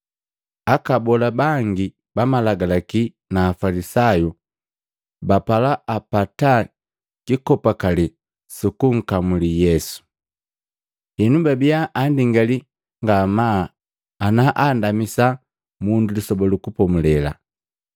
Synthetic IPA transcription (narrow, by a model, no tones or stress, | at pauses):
akabɔlabaŋɡi | bamalaɡalaki | naːfalisaju | bapalaʔapata | kikɔpakali | sukuŋ̩kamulijɛsu̥ | hɛnubabijaʔːndiŋɡali | ŋɡamaː | naʔandamisa | mundulisɔbɔlukupɔmulɛla̰